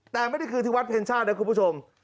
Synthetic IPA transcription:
t̪ɛː˨˩ma˥˩jda˥˩jkʰɨː˧t̪ʰːwa˦˥pʰeː˧nt͡ɕʰaː˥˩n˧˦˥kʰːpu˥˩t͡ɕʰo˧m

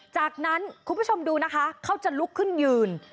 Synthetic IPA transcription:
t͡ɕaː˨˩k̚na˦˥nkʰu˧npʰu˦˥t͡ɕʰo˧mduː˧na˦˥kʰa˦˥kʰa˥˩wt͡ɕa˨˩lu˦˥kʰːɯ˥˩njɯː˨˩n

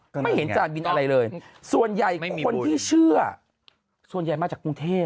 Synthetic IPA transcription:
ma˥˩jhe˩˦nt͡ɕaː˨˩nbi˧nʔa˧ɾa˧jlɤː˧jsu˨˩ənja˨˩jkkʰo˧nt̪ʰiː˥˩t͡ɕʰɯ˥˩˥ɐ | su˨˩ənja˨˩jmaː˧t͡ɕaː˨˩kːu˧ŋt̪ʰeː˥˩

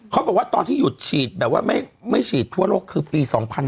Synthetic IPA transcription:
kʰa˦˥wbɛː˨˩k̚waː˥˩t̪ɔː˧nt̪ʰiː˥˩ju˨˩t̪̚t͡ɕʰiː˨˩t̪̚bɛː˨˩p̚wa̰ː˥˩ma˥˩jma˥˩jt͡ɕʰiː˨˩t̪ʰːu˥˩əloː˥˩kʰːɯː˧piː˧sɔː˩˦ŋpʰa˧n

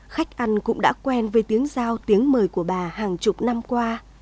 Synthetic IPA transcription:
xa˦˥jk̟̚ʔa˧jŋ̟kʊ̰˧˥ŋ͡mɗa̰ː˧˥kwɛ˧nveː˨˩jt̪i˨˦əŋzaː˧wt̪i˨˦əŋməː˨˩jku˧˩əɓaː˨˩haː˨˩ŋt͡ɕʊ˨˩k͡p̚na˧mkwaː˧

